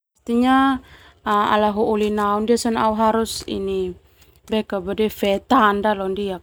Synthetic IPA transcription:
ast̪iɲa | a̰laɦuːlinaundiasɔnauɦaɾusḭni | bɛkabadɛfɛt̪andalɔndiak̚

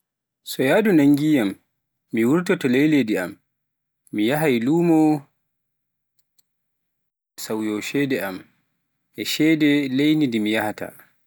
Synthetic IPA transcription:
sɔjaːdunaŋɡijamː | iwuɾtɔtɔlejledia̰mː | ijaɦajluːmɔ | sawjɔʃɛdɛʔam | ʔɛʃɛːdɛlejnidimijahata̰

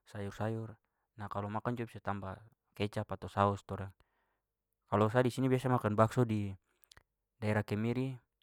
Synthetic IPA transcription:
sajursajur | nakalɔmakand͡ʒuabisat̪amba | kɛt͡ʃapat̪ɔsaɔst̪ɔɾaŋ | kalɔsadisinibiasamakanbaksɔdi | daɛɾakɛmiɾi

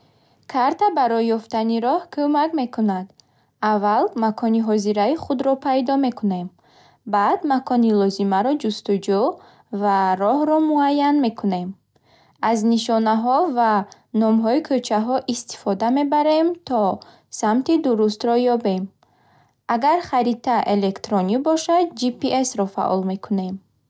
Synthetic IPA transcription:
kʰaɾt̪abaɾɔjːɔft̪aniɾɔhkʰumakme̞kʰunad̪ | avːalmakʰɔniɦɔziɾaiχud̪ɾɔpʰajd̪ɔme̞kune̞m | bad̪makʰɔnilɔzimaɾɔd͡ʒust̪ud͡ʒu | vaɾɔhɾɔmuajːanme̞kʰune̞m | azniʃɔnaɦɔva | nɔmɦɔikʰøt͡ʃʰaɦɔʔist̪i̥fɔd̪ame̞baɾe̞mt̪ʰɔ | samt̪id̪uɾust̪ɾɔjɔbe̞m | aɡaɾχaɾit̪ʰaʔele̞kt̪ɾɔnibɔʃad̪̚d͡ʒipiesɾɔfa̰ʔɔ̰lme̞kʰune̞m

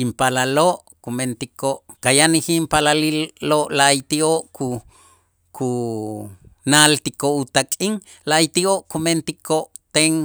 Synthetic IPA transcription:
impalaloʔ | kument̪ikoʔkajanihimpalalilːoʔlajt̪ioʔkʰu | kʰu | nalt̪ikout̪akʼiŋ | lajt̪ioʔkument̪ikoʔt̪eŋ

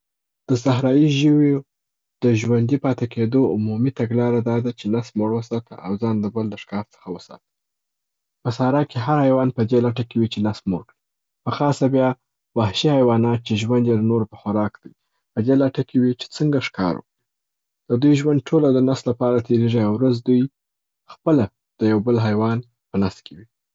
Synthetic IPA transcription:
d̪̥əsaɦɾɑjiʒəwe | d̪̥əʒwand̪ipɑt̪eked̪oʊmumit̪aɡlɑɾad̪ɑd̪at͡ʃenasmoɽwəsɑt̪ə̰ʔa̰wzɑnd̪əbəld̪əʂkɑɾt͡sə̥xawəsɑ̰t̪ə̥ | pəsɑɾɑkeɦaɾhajwɑnpəd̪elaʈakewit͡ʃenasmoɽkɽi | pəxɑsabjɑ | wahʃihajwɑnɑt̪̚t͡ʃeʒwand̪jeɾanoɾpəxaɾɑkd̪̥aj | pəd̪elaʈakʰewit͡ʃe̥t͡səŋɡaʂkɑ̰ɾwə̰kɽi | d̪̥əd̪ujʒwand̪̚ʈʰolad̪ənast̪lapɑɾat̪ʰeɾeʒiawɾazd̪uj | xpəla | d̪̥əjawbəlɦajwɑn | pənast̪̚kʰewi

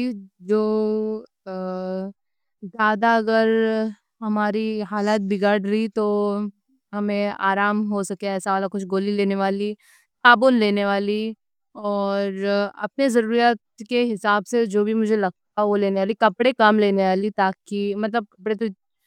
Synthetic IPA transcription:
id͡ʒoː | zaːd̪aɐɡəɾ | ɦɐmaːɾiɦaːlaːt̪̚bʱɪɡaːɽɾɐit̪o | ɦɐmẽa̰ːɾaːmɦosɐkeɛːsaaːlakʊt͡ʃʰɡoːlileːneʋaːli | saːbʊnleːneʋaːli | ɔːɾɐ̰p̚nezɐɾuːɾjat̪̚keɦɪsaːbsed͡ʒoːbʱimʊd͡ʒʱelɐɡ̚t̪aɦɛʋoleːneʋaːlikɐpɽekaːmleːneʋaːlit̪aːkimɐt̪ləb̚kɐpɽet̪o

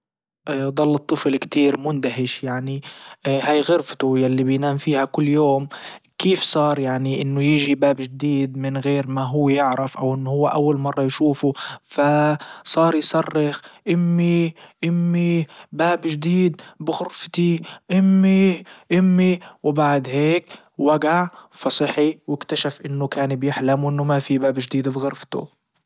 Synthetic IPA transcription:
ʔd̪ˤɑlːɨt̪ˤːɨflkt̪iːɾmʊnd̪aɦɪʃjaʕnihaːjɣʊɾft̪ʊjalːibɪjnaːmfiːhakʊlːjoːm | kiːfsˤɑːɾˤjaʕniʔɪnːʊjɪʒibaːbʒd̪iːd̪mɪnɣeːɾmaɦʊwːjɪʕɾɪfʔawʔɪnːʊhʊwːaʔawːalmɑrˤːɑjʃuːfufasˤɑːɾˤjsɑrˤːɪxʔɪmːiʔɪmːibaːbʒd̪iːd̪bɪɣʊɾft̪iʔɪmːiʔɪmːiwbaʕd̪heːk | waɡaʕfɑsˤɨħiwɪkt̪aʃafʔɪnːʊkaːnbjɪħlamwʔɪnːʊmafibaːbʒd̪iːd̪bɣʊɾft̪ʊ̰

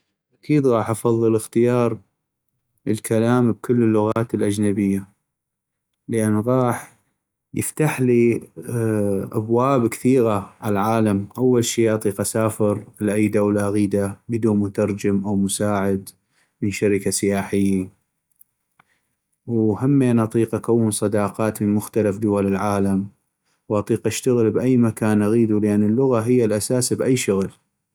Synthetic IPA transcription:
ʔakiːd̪ɣɑːħʔɑfɑðˤːɨlɪxt̪ɪjɑːɾˤ | əlkʰalaːmb̚kʊlːəlːʊɣaːt̪əlʔad͡ʒnabɪjːa | ləʔanːɣɑːħ | jə̰ft̪aħli | ʔa̰bwaːbkθiːɣaʕalaʕaːlamʔawːalʃiːɪʕt̪ˤiqasaːfɪɾɪlʔajd̪awlaʔaɣiːd̪abɪd̪uːnmʊt̪ɑɾˤd͡ʒɪmʔawmʊsaːʕɪd̪ | mɪnʃaɾɪkasɪjaːħɪjːa | whamːenʔɑt̪ˤiːqʔakawːənsˤɑd̪ɑːqɑːt̪mənmʊxt̪alafd̪ʊwalɪlʕaːlam | wʔɑt̪ˤiːqʔaʃt̪aɣəlbʔajːmakaːnʔaɣiːd̪ulɪʔanːɪlːʊɣaɦɪjːalʔasaːsbʔajːʃʊɣl

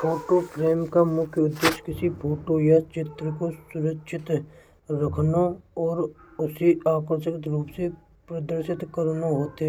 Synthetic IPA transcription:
pʰoːʈopʰɾeːmkamʊkʰjəʊd̪ːeːʃkɪsipʰoːʈojat͡ʃɪt̪ɾəkosʊɾəkʃʰɪt̪ | ɾəkʰnaɔːɾʊsiaːkəʃəkt̪ɾuːpse | pɾəd̪əɾʃɪt̪kəɾnaɦoːt̪eɦɛ

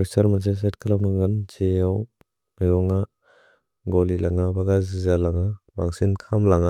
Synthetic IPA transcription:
eksaɾmans̬es̬atkʰalawnaɡɯnd͡ʒeaw | majɔŋa | ɡɔlilaŋabaɡazizalaŋabaŋsinkʰamlaŋa

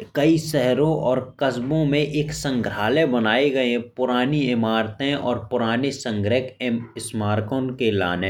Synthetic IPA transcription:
kɐisɛɦɾõʔɔːɾkəsbõmẽʔeːksə̃ŋɡɾaːlẽbɐnaːeɡɐẽpʊɾaːniɪmaːɾt̪ẽɔ̰ːɾpʊɾaːnesə̃ŋɡɾɪkɪsmaːɾkõnkela̰ːnẽ

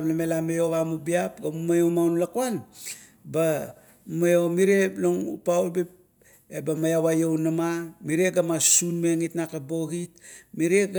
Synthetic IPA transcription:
mlamelamejoβamubiapɡamumajomawnlakoan | ba | majo̞miɾeloŋṵpawlbip̚ | ebamajawajownamamiɾeɡamasunmeŋitnakabo̞ɡit̚miɾeɡ

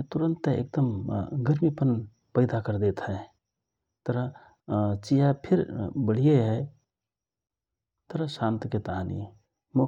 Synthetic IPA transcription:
t̪uɾənt̪ḛk̚d̪əmɡəɾmipən | pəɪd̪akəɾd̪et̪ɦəj | t̪əɾə | t͡ʃijapʰiɾbəɽ̤ijeɦəj | t̪əɾəsant̪ket̪aɦanḭ | mo

